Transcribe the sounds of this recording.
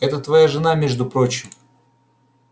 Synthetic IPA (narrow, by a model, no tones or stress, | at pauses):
ɛt̪ət̪vɐjaʐɨnamʲeʐd̪ʊpɾo̞t͡ɕɪm